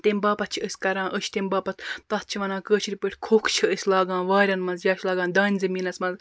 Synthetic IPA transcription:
t̪emʲbaːpɐt̪̚t͡ʃʰiəsʲkɐɾãːnʔəʃʰt̪embaːpɐt̪ʰt̪ɐt̪̚t͡ʃʰiʋɐnãːkəːt͡ʃʰiɾʲipəʈʰʲkʰoːkʰt͡ʃʰiəsʲlaːɡãːnʋaːɾʲɐnmɐnzjaːt͡ʃʰlaːɡaːnd̪aːnʲzɐmiːnɐsmɐnz

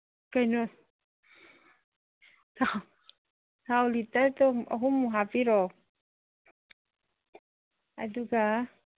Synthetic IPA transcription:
kainɔ | t̪a | t̪awlit̪at̪oɔ̰ɦumuɦapiɾɔ | a̰duɡa

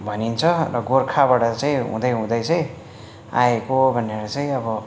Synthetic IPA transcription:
bʱʌnint͡sʰʌrʌɡorkʰabaʈʌt͡saĩɦṵ̃d̪ʌjɦũd̪ʌjt͡saĩ | a̰ekobʱʌnːeɾat͡saĩʌbʌ

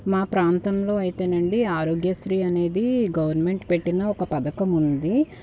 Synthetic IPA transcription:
maːpɾaːnt̪ɐmlo̞ːɐjit̪eːnɐɳɖiaːɾoːɡjɐst̪ɾiːɐne̞ːd̪iɡɐʋɐɾnme̞ɳʈpe̞ʈːinɐɔkɐpɐd̪ɐkɐmund̪i

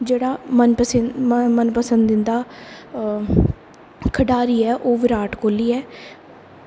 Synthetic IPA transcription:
d͡ʒeːɽaːmənpəsmənpəsə̃nd̪ɪnd̪aː | kʰəɖaːɾiːɛːʔoːʋɪɾaːʈkoːliːɛː

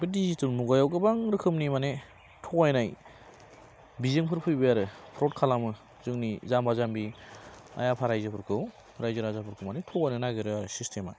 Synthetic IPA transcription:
bɯdizitɯlmuɡajawɡɯbaŋɾɯkʰɯmnimane | tʰɔkajnaj | bizɯŋpʰɯɾpʰɯjbɯjaɾɯpʰɾɔt̚kʰalamɯ | zɯŋnizambazambi | a̰japʰaɾajzɯpʰɯɾkʰɯw | ɾajzɯɾazapʰɯɾkʰɯmanetʰɔkajnɯnaɡeɾɯjaɾɯsistʰema̰

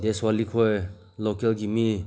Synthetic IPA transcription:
d̪eswalikʰɔj | lokelɡimi

